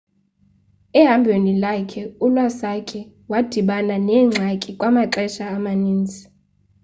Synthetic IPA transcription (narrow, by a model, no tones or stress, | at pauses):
ɛɦambʱwenilakʰɛulwasakʼɛ | wad̥ʱiɓananɛːŋ͡ǁʱakʼikʼwamaǃɛʃaːmaniːnd͡zʱi̥